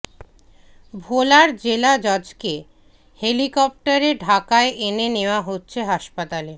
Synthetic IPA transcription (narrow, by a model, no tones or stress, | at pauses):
bʱolaɾd͡ʑelad͡ʑɔd͡ʑke | helikɔp̚ʈaɾeɖʱakaeʔeneneoaɦotːɕʰeɦaʃpat̪ale